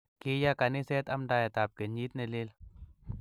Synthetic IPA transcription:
kejakanesɛːt̪ɐmɖaːjet̪aːp̚keɲiːt̪neleːl

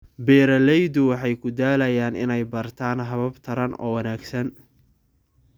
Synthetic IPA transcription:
bɛːɾɐlɛjd̪ʊwɑħɑjkʰʊd̪aːlɐjaːnɪ̰nɛjbɐrt̪ʰaːnɦɐβɐbt̪ʰɐɾɐnʔɔ̰ːwɐnaːɡsɐn

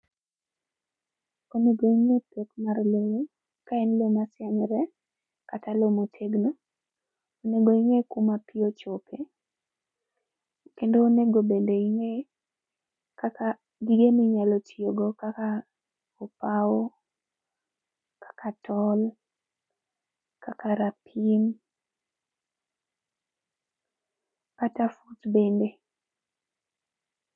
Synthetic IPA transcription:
oneɡoiŋepekmarlowe | kaɛnlomasjaŋɾɛ | katalomotʰeɡno | oneɡoiŋekumapɪot͡ʃokʰe | kendoːneɡobendoiŋe | kaka | ɡiɡemiɲalotioɡokaka | opawo | kḁkʰatʰɔl | kakaɾapʰim | katafutbende

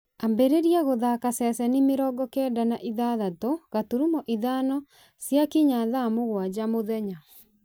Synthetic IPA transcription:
ambɛɾeɾjaɣoðakasɛsɛnemeɾɔɡɔkɛndanaʔiðaðatoɣatuɾumɔʔiðanɔ | sjakiɲaðamoɣwad͡ʑamoðɛɲa

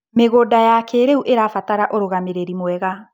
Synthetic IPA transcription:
meɣoːdajakɛːɾeuʔeɾafataɾaʔoɾoɣameɾeɾimwɛɣa

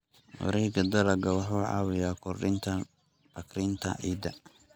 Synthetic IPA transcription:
wɑ̰ɾɛjɡɐd̪ɐlɐɡɐwɑħuːʕɑ̰ːwɪjaːkʰɔrɪnt̪ʰɐ | bɐkɾɪnt̪ʰɐ̰ʔiːd̪ɐ̰

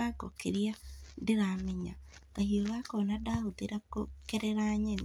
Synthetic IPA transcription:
akokeɾiandeɾameɲakahioβakonadahot̪eɾakokeɾeɾaɲeni

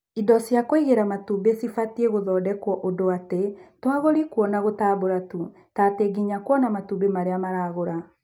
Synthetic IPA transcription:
idɔsjakoiɣeɾamatubesifatieɣoðɔːdɛkwɔʔodoatetwaɣoɾikuɔnaɣotaːboɾatu | tateɡiɲakwɔnamatubemaɾeamaɾaːɣoɾa

